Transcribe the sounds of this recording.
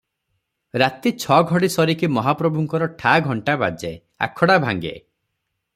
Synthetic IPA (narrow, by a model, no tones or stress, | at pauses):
ɾat̪it͡ʃʰɔɡʱɔɽisɔɾikimɔɦapɾɔbʱuŋkɔɾɔʈʰaɡʱɔɳʈaba̰d͡ʒe | a̰kʰɔɽabʱa̰ŋɡḛ